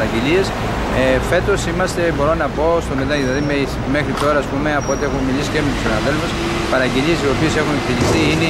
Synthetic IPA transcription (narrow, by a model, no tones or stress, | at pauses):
ɾɐɟelie̞s | efe̞t̪o̞simɐst̪e̞bo̞ɾo̞nɐpo̞st̪o̞meðɐðilɐðimesme̞xɾit̪o̞ɾɐːspume̞ɐpoo̞t̪ie̞xummilisi̥ce̞met̪usinɐðe̞lfus | pɐɾɐɟeliesio̞piese̞xunekfiʎist̪iine